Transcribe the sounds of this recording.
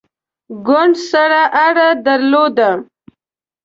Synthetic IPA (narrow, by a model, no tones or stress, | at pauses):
ɡʊɳɖsaɾaʔaɽad̪aɾlod̪a